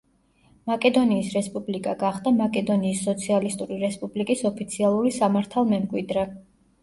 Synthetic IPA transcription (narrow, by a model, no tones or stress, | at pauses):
makʼɛd̪ɔniːsɾɛspʼublikʼaɡaχd̪amakʼɛd̪ɔniːsːɔt̪sʰialist̪ʼuɾiɾɛspʼublikʼisɔpʰit̪sʰialˠuɾisamaɾt̪ʰalˠmɛmɡʼwid̪ɾɛ